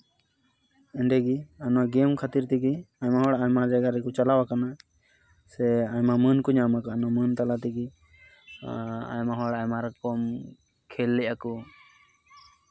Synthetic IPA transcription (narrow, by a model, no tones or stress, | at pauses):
ɛɳɖɛɡianɔwaɡɛmkʰat̪iɾt̪iɡiaɲmaɦɔɽaajmad͡ʒɛɡaɾɛkɔt͡ʃalawakana | sɛajmamənkɔɲamakɔanɔwamənt̪alat̪iɡi | a̰jmaɦɔɽajmaɾkɔm | kʰɛlːɛʔakɔ